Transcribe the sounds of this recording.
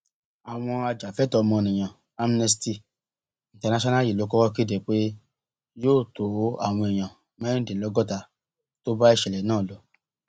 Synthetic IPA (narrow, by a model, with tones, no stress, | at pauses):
a˨w̃ɔ̃˧a˧d͡ʒa˨fɛ˦tɔ˧mɔ̃˧nĩ˨j̃ã˨ | a˧m˧nɛ˧s̬ti˧ | ĩ˨tɛ˨˧na˨˦ʃɔ˦na˦˨ji˨lo˨˦kɔ˦ɾɔ˦ki˦de˨k͡pe˦ | joː˦˨to˨˦a̰˦˨w̃ɔ̃˧ɛ˨j̃ã˨ | mã˦ĩ˦de˨lɔ˨˦ɡɔ˦ta˧ | to˦ba˦i˦˧ʃɛ˨lɛ˨˦nãː˦˨lɔ˨˦